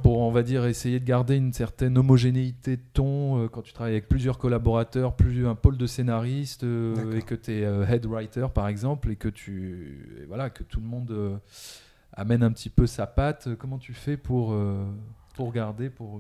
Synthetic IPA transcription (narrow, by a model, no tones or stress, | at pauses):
puʁɔ̃vad̪iʁesejed̪əɡaʁd̪eynsɛʁt̪ɛnɔmɔʒeneit̪ed̪ət̪ɔ̃økɑ̃t̪yt̪χavajavɛk̚plyzjœʁkɔlabɔʁat̪œʁplyɛ̃pold̪əsenaʁist̪øekət̪yɛøɦɛd̪ʁajt̪œʁpaʁɛɡzɑ̃plekət̪ʰyḛvwalaekət̪ʰuləmɔ̃d̪ø | a̰mɛnɛ̃pət̪ipøsapat̪økɔmɑ̃t̪ʰyfɛpʰuʁø | puʁɡaʁd̪epuʁ